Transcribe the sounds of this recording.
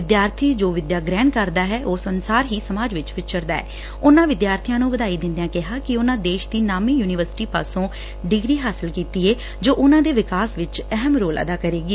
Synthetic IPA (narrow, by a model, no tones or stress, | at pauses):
ʋɪd̪jaːɾt̪ʰiːd͡ʒoːʋɪd̪jaːɡɾɛ̃ːɳɖkəɾd̪aːɦɛːʔoːsənsaːɾɦiːsəmaːd͡ʒʋɪt͡ʃʋɪtʃəɾd̪aːɛ̰ː | ʊnãːʋɪd̪jaːɾt̪ʰijãːnũːɡəd̪aːiːd̪ɪ̃nd̪ejãːkɪɦaːkɪʊnãːd̪eːʃd̪iːnaːmiːjuːnɪʋəɾsɪ̥ʈiːpa̰ːsõː | ɖɪɡɾiːɦaːsɪlkiːt̪iːeː | d͡ʒoːʔʊnãːd̪eːʋɪkaːsʋɪt͡ʃɛɦəmɾoːlʔə̰d̪aːkəɾeːɡiː